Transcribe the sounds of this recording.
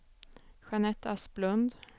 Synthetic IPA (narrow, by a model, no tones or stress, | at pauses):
ɧanɛt̪ːasblɵnd̪